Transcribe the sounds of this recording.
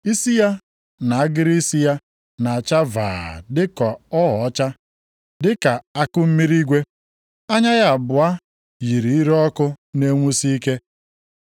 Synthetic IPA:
i˦si˦ja˦ | na˨a˦ɡɪ˦ɾi˦si˦ja˦ | na˨a˨t͡ʃa˦va̰ː˨dɪ˦kɔ˨ɔ˦ɦɔ˨ɔ˦t͡ʃa˦ | dɪ˦ka˨a˦kʊ˦m̩˦mi˦ɾi˦ɡʷe˦ | a˦ɲa˦ɣa˨bʊ˨a˦ | ji˨ɾi˨i˦ɾɔ˦kʊ˦ne˦ŋʷu˦si˦i˦ke˦

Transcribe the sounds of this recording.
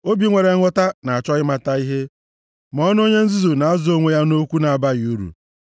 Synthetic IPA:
o˦bi˦ŋʷe˨ɾe˨˦ŋʷʊ˦ta˦na˨a˨t͡ʃɔ˦ɣɪ˦ma˨ta˦i˦ɦe˦ | mɔ˦nʊ˦o˦ɲe˦n̩˦zi˦zu˨na˨a˦zʊ˦o˦ŋʷe˦ja˦no˦kʷu˦na˨a˨ba˦ɣɪ˨u˦ɾṵ˨

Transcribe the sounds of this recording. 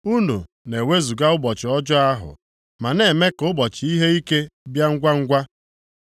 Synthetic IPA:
u˦nu˨ | ne˨we˦zu˨ɡa˦ʊ˦bɔ˨t͡ʃɪ˨ɔ˦d͡ʒʊ˦a˦ɦʊ̰˨ | ma˨ne˨me˦kʊ˦bɔ˨t͡ʃɪ˨i˦ɦe˦i˦ke˦bja˦ŋ̩˦ɡʷa˦ŋ̩˦ɡʷa˦

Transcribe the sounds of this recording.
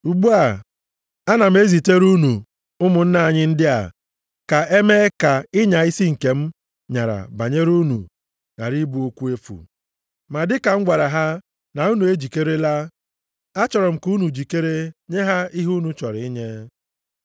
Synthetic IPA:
u˨ɡ͡bu˦a˨ | a˦na˨m̩˦e˦zi˨te˦ɾu˦nu˨ | ʊ˦mʊ˨n̩˦na˨a˨ɲɪ˦n̩˦dɪ˦a̰˨ | ka˨e˦me˦ka˨ɪ˦ɲa˨i˦si˦ŋ̩˨ke˨m̩˦ | ɲa˨ɾa̰˨ba˨ɲe˦ɾu˦nṵ˨ | na̰˨ɾi˦bu˨˦o˦kʷu˦e˦fṵ˨ | ma˨dɪ˦ka˨ŋ͡m̩˦ɡʷa˨ɾa˨ɦa˦ | na˨u˦nu˨e˦d͡ʒi˨ke˦ɾe˦la˦ | a˦t͡ʃɔ˨ɾɔ˨m̩˨ku˦nu˨d͡ʒi˨ke˦ɾe˦ɲe˦ɦa˦i˦ɦu˦nu˨t͡ʃɔ˨ɾɪ˨ɪ˦ɲe˦

